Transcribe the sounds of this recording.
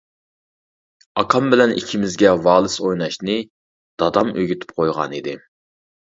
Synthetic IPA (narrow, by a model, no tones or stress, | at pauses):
ɑqʰɑmbɪlɛnikʲʰimɪzɡʲɛvɑːlˠɨsojnɑʃnɨ | d̪̥ɑd̪ɑmøɡʲyt̪ʰɪ̥p̚qʰojʁɑ̰nid̪ɪ